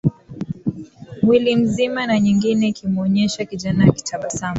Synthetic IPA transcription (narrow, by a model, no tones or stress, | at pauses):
wilim̩zimanaɲiŋɡinɛkʰimɔɲɛʃakiʄanajki̥tʰaɓasama